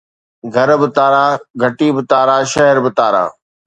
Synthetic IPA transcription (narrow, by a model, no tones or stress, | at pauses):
ɡʱɐɾbɪt̪aːɾaːɡʱɐʈiːbɪt̪aːɾaːʃɐɦəɾbɪt̪aːɾa̰ː